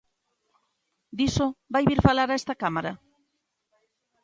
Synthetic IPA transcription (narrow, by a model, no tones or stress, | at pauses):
d̪isobajβiɾfalaɾaest̪akamaɾa